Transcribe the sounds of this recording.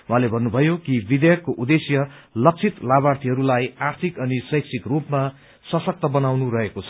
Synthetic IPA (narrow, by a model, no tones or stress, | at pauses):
wɦãlebʱʌnːubʱʌjokibid̪jʌkːoʔud̪esjʌlʌk̚t͡sʰit̪labart̪ʰiɦʌɾulajart̪ʰikʌnisʌjksʰikrupma | sʌsʌk̚t̪ʌbʌnawnuɾʌɦekot͡sʰʌ̥